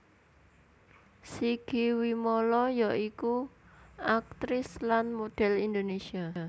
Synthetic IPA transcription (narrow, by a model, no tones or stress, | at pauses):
siɡ̥i̤wimolɔjaʔikuʔak̚t̪ɾɪslanmod̪̥ɛ̤lind̪onesia